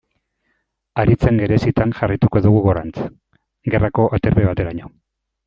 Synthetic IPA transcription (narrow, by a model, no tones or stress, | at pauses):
aɾit͡seŋɡe̞ɾe̞sit̪aŋʝarajt̪uko̞ðuɣ̞uɣoɾant͡s | ɡe̞rako̞ʔat̪e̞ɾβeβat̪e̞ɾaɲo̞